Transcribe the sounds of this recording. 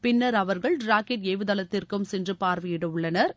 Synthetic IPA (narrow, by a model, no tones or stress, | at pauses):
pɪnːɐɾɐʋɐɾɣɐɭɖɾaːkɪʈeːʋɯðɐlɐt̪ːɪrkɯmsɛndrɯpaːɾʋɐjɪɽɯʊɭːɐnɐɾ